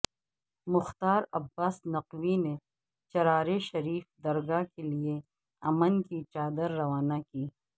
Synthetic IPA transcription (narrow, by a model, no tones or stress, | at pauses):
mʊxt̪aːɾɐbːaːsnɐqwine | t͡ʃɐɾaːɾeʃɐɾiːfd̪ɐɾɡaːkelie | ɐmənkit͡ʃaːd̪əɾːɐwaːnakiː